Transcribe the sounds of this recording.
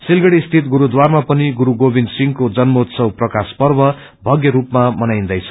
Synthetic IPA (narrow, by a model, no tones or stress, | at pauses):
silɡʌɽist̪ʰit̪̚ɡuɾud̪warmapʌniɡuɾuɡobind̪siŋkod͡zʌnmot̪sʌwprʌkaspʌrbʌ | bʱʌɡjʌɾupmamʌnajnd̪ʌjt͡sʰʌ̥